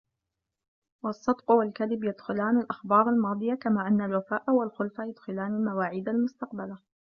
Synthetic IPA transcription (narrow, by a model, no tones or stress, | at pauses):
wɑsˤːɑd̪qwalkaðɪbjad̪xʊlaːnalʔaxbɑːɾˤalmɑːd̪ˤɨjakamaːʔanːalwafaːʔwalxʊlfajad̪xʊlaːnalmawaːʕiːd̪almʊst̪ɑq̚bala